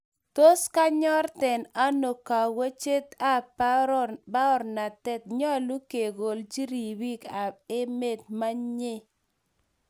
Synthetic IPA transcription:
to˦ska˦ɲɔ˦rtɛ˨na˦no˨ka˨wa˦t͡ʃe˦t̪a˦ | ba˦ɔ˦ɾna˨tɛ˦t̪̚ɲɔ˦˨lu˦ke˨ɡo˨ld͡ʒi˦ɾi˨bi˦ka˨e˦me˦˨t̪̚ma˦ɲe˦˨

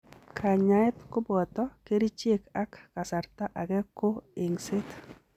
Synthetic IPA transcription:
kʰa˨ɲa˨ɪ˦t̪kʊ˦bɔ˨t̪ɔ˦ke˦ɾi˦t͡ʃe˦ka˦kːa˨sa˨ɾt̪a˦ʔa˨ɡɛ˦ko˦e˨ŋsɪ˦t̪

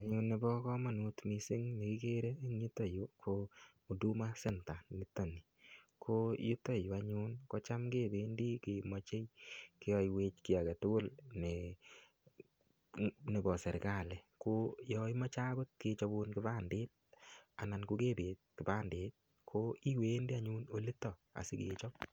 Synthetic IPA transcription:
a˨ɲunːe˨bɔ˦kɔ˦ma˨nu˨tmi˨sɪ˦ŋɲe˨ki˦ke˦ɾe˦ɲu˦to˦˨ju˨˦kʰo | u˨du˦ma˦se˦nta˨ni˦tːo˨ni˨ | kʰoju˦to˦ju˨a˦ɲunkɔ˦t͡ʃa˦mke˦be˨ndi˦ke˨mɔ˦t͡ʃe˦jke˦jɔ˦jwe˧t͡ʃki˨a˨ke˨tʊ˦ɡʊ˦lne˨ | ne˨bɔ˨sɛ˨ɾka˦˨lɛ˨kojɔ˧i˦mɔ˦t͡ʃa˦bɛ˦tket͡ʃɔ˦bunkɪ˦ba˦nde˦t̚a̰˨na˨nku˦ke˦beː˨˦t̚kɪ˨ba˦ndeː˦t̚ | kʰoi˦we˦ndi˦a˨ɲuno˨li˦tːɔ˨a̰˨sɪ˦kḛ˨t͡ʃɔ˦

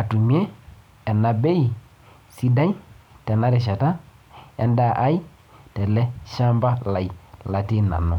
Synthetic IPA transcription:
a˨tu˨m˦e˦ | ɛ˨na˨be˦j | si˦da˦jtɛ˨na˦ɾi˨ʃ̬a˨ta˦ | ɛ˨nda˦˨ʔa˦i˦ | tɛ˨lɛ˦ʃa˦mba˦la˨jla˨ti˦na̰˨nu˨

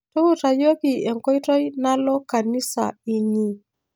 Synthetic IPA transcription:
to˦u˦ta˨jo˦ki˨e˨ŋkɔ˦i˦tɔ˦i˦na˦lɔ˦ka˨ni˦sa̰˨i˦ɲi˨

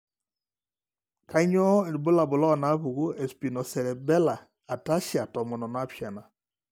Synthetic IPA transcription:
kʰa˦ɲɔ˦˨bʊ˦la˨bʊ˨lɔ˦˨na˦βu˨ɡu˦e˨spi˨nɔ˨sɛ˨lɛ˨bɛ˦la˨ | a˨ta˦ʃja˨tɔ˨mɔ˨nɔ˨na˦pja˨na˨

